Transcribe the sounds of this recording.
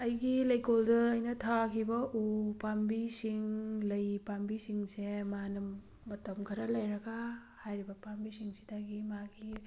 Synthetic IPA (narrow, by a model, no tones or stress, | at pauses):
ɐjɡilɐjkoldɐːjnɐtʰakʰibɐʔupambisiŋlɐjpambisiŋsemanɐ | mɐtɐmkʰɐɾɐlɐjɾɐɡahajɾibɐpambisiŋsi̥daɡimaɡi